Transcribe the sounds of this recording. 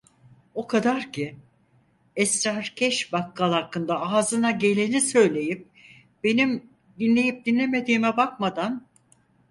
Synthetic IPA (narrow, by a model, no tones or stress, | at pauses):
o̞kʰad̪aɾcʰi | ɛsɾaɾcʰɛʃbakːalˠakːɯnd̪aaːzɯnaɟe̞lʲe̞nisø̞jlʲe̞jip̚ | b̥e̞nim | d̪inlʲe̞jip̚d̪inlʲe̞me̞d̪iːmɛbak̚mad̪an